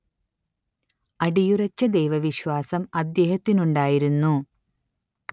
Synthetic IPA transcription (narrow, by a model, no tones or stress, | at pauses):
ɐɽijurɐt͡ɕːɐd̪ejʋɐʋiɕwaːsɐmɐd̪jeːɦɐt̪ːinuɳɖaːjiɾunːu